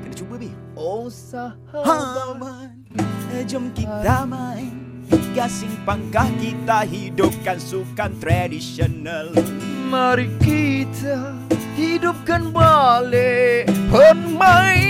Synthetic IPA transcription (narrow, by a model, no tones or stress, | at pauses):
kkidat͡ʃubabih | osa | haama | əd͡ʒəmkit̪ama | biɡasiŋpaŋkahkit̪aɦidup̚kansukant̪ɾadisionalmaɾikit̪ʰa | hidʊp̚kanbalepərmaj